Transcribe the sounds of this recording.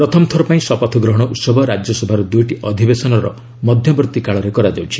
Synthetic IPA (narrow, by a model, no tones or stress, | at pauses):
pɾɔt̪ʰɔmɔt̪ʰɔɾɔpaĩsɔpɔt̪ʰɔɡɾɔɦɔɽ̃ɔʔut̪sɔbʱɔɾad͡ʒjɔsɔbʱaɾud̪ujʈiʔɔd̪ʱibesɔnɔɾɔ̰ | mɔd̪ʱjɔbɾɔt̪ikaɭɔɾekɔɾad͡ʒawt͡ʃʰi̥